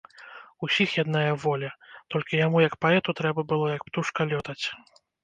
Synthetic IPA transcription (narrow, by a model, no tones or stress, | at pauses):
usʲixjad̪najɐvɔlʲɐt̪ɔlʲkʲijamujɐkpaɛt̪ut̪ɾɛbɐbɨlˠɔjɐkpt̪uʂkɐlʲɔt̪ɐt͡sʲ